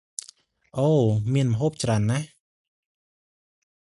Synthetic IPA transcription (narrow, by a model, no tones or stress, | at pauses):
ʔoːmiənmə̆ɦoːp̚t͡ɕraənːah